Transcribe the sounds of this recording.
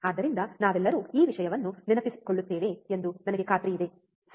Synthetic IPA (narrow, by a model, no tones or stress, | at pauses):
aːd̪ɐɾind̪ɐnaːʋɛlːɐɾuːiːʋiʂɐjɐʋɐnːuninɐpisi̥koɭːut̪ːeːʋe̞ːend̪unɐnɐɡekaːt̪ɾijid̪e̞